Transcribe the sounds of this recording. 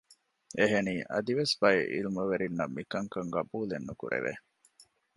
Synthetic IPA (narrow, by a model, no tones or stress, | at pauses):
eɦeniːʔɐ̰d̪iʋesbɐeʔḭlmɐʋeɾinːɐmːikɐŋkɐŋɡɐbuːlenːukṵɾḛʋḛ